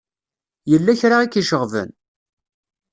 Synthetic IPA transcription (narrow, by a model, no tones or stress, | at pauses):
jəlːæçɾaikːiʃəʁvə̰n